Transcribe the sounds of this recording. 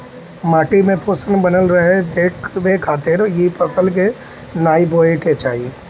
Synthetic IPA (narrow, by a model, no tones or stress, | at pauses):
maːʈimẽpoːsənbɐnəlɾɐɦed̪eːkʰʋekʰaːt̪eɾojiipɐsəlke | naːiboːeket͡ʃaːɦie